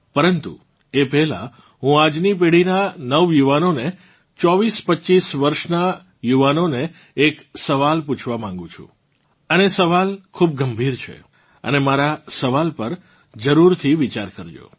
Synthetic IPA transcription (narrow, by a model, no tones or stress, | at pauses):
pəɾənt̪ṵ | epɛɦla̰ | ɦũad͡ʒnip̬eɽinanəʋjuʋanone | t͡ʃɔʋispətːʃisʋəɾʃna | juʋanoneː | ksəʋalput͡ʃʰʋamãŋ̆ɡũt͡ʃʰṵ̃ | ənesəʋalkʰub̚ɡəmbʱiɾt͡ʃʰḛ | ə̰nemaɾasəʋalpəɾ | d͡ʒəɾuɾt̪ʰiʋit͡ʃaɾkəɾd͡ʒo̰